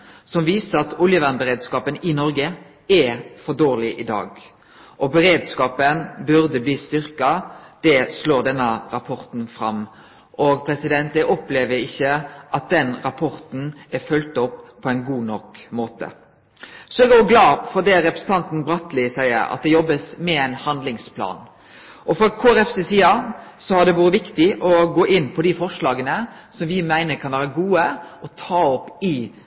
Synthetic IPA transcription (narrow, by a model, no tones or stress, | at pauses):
sɔmʋiːsəɾɑt̪ʊljəʋæʁnbəɾʁeːd̪skɑːpənɪnɔɾɡə | ɛfɔd̪oːʁlɪʔɪd̪ɑ̰ːɡ | ʔɔbɛɾeːd̪skɑːpənbʉʁd̪əbliːst̪ʏɾkɑd̪̥ɛsloːd̪ɛnːəɾɑpʰɔɾt̪n̩fɾɑm | ʔɔɡ̚pʰɾɛsɪd̪ɛnt̪̚d̪ɛʔɔpleːʋəɾɪçːəʔɑt̪̚d̪ɛnɾɑpʰɔɾt̪n̩æfœlt̪ɔpʰːɔɛɪnɡuːnɔkmoːt̪ə̰ | sɔɛɡoɡlɑːfɔd̪ɛɾɛpɾɛ̥sn̩t̪ʰɑnt̪n̩bɾɑt̪lɪsæɪə̰ɾɑ̰t̪̚d̪ɛjɔbːəsmɛæɪnhɑnd̪lɪŋspʰlɑ̰ːn | ʔɔfɾɑkʰoːæɾɛfsesiːɑsɔhɑd̪ɛʋuːɾəʋɪkt̪ɪʔɔɡoːʔɪnːpʰɔd̪ifɔʂɭɑːɡənə | sɔmʋɪmæɪnəɾkʰɑnʋæːɾəɡuːəʔɔt̪ʰɑːɔpːɪ